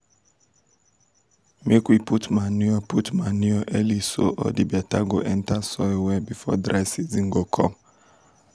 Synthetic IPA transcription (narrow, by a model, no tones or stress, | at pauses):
mikwiputmanuɔputmanuɔʔɛliso̰ʔɔ̰dibiataɡɔʔɛ̃ntasɔwɛbifɔdɾaɪsiziŋɡɔkʰɔ̰